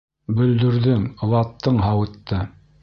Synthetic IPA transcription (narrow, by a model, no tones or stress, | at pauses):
bɵ̆ld̪ɵ̆ɾðɵŋŏwɑt̪ːɤɴɦɑwɤ̆t̪ːɤ